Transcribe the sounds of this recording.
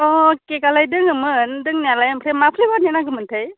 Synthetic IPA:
ɔkekalajdɯŋɯmɯndɯŋnalajmpʰɾemapʰlibaɾnanaɡɯmɯntʰɯj

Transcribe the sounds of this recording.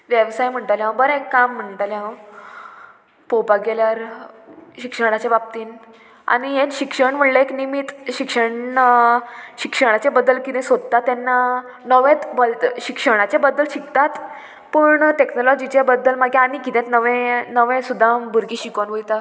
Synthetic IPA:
ʋjeʋsajm̤əɳʈaljãbəɾəekːam̤ːəɳʈaljã | powpaɡeljaɾ | ɕikʂəɽ̃at͡ɕabab̚t̪iːn | a̰ñiɦẽnɕikʂəɳm̤əɽləeknimit̪ɕikʂəɳ | ɕikʂəɽ̃at͡ɕebəd̪əlkit̪ɛ̃sod̪ət̪at̪ːɛnːa | nəʋẽt̪bəlt̪ɕikʂəɽ̃at͡ɕebəd̪ːəlɕikt̪at̪ | pəɳʈeknɔlɔd͡ʑit͡ɕebəd̪ːəlmaɡẽanikit̪ẽt̪nəʋẽnəʋẽsud̪ʱːabʱuɾɡiːɕikonʋojt̪a

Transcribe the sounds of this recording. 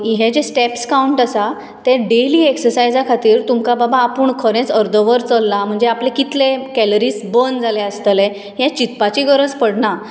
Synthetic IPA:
iɦẽd͡ʑesʈepskauɳʈasa | t̪eɖeliːeksəɾsajd͡zakʰat̪iːɾt̪umkababaːpuːɳkʰəɾẽt͡səɾd̪ʱɔʋəɾt͡səlːam̤əɳd͡zeaplekit̪lekɛləɾiːsbənd͡zʱaleəst̪əle | ɦet͡ɕit̪pat͡ɕiɡʱəɾət͡spəɽɳa

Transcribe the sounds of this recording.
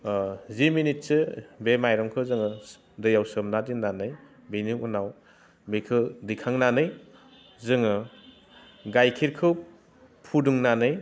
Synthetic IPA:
ziminit̚sɯbemajɾɔŋkʰɯzɯŋɯ | dɯjawsɯmnadinnːanɯj | biniunaw | bikʰɯdikʰaŋnanɯj | zɯŋɯ | ɡajkʰiɾkʰɯ | pʰuduŋnanɯj

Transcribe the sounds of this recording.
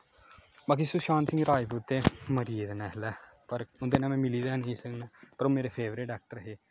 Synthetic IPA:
baːkisuːʃãːnsɪ̃ŋɡɾaːjput̪ːeːməɾiːd̪nɛːɦlɛː | pəɾʊnd̪eːnãːmɛ̃ːmɪliːd̪aːnəĩːsəknɛːpəɾoːmeːɾeːpʰeːʋɾɪʈɛːk̚ʈəɾɦeː

